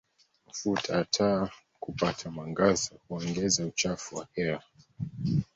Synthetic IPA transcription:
m̩futʰaːtʰaː | kupatʰamaŋɡazɔhuɔŋɡɛzaut͡ʃafuwahɛɾa

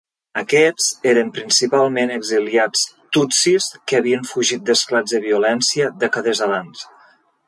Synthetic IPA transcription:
əkɛzeɾəmpɾinsipalˠmenəɡziliat͡st̪usiskəːβiəɱfuʒit̪̚d̪əsklad͡zðəβiulɛnsiəd̪əkaðəzaβans

